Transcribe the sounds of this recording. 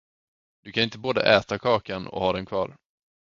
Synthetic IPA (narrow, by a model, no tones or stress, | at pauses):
d̪̥ɵkʰanɪnt̪əboːd̪ə̰ʔɛːt̪akʰɑːkanɔ̰hɑːd̪ɛnkʰvɑ̰ːɾ